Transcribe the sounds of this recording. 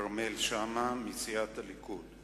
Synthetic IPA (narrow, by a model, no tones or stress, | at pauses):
ɾmelʃamamit͡siat̪alikul